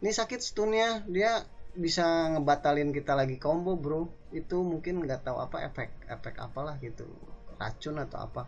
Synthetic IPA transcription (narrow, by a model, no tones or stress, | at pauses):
nisakɪt̪̚sə̥t̪uniadiabisaŋəbat̪alɪnkit̪alaɡikɔmbɔbɾu | it̪umuŋkɪnŋɡat̪aṵa̰pa̰ḛfɛk̚ɛ̰fɛka̰palahɡit̪ṵra̰t͡ʃʊnat̪awa̰pa